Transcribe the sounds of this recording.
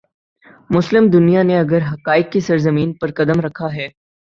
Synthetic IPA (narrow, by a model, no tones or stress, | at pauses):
mʊslɪmd̪ʊnijaneɐɡəɾɦɐkaːɪkːesɐɾzɐmiːnpɐɾkɐd̪əmɾɐkʰaɦɛː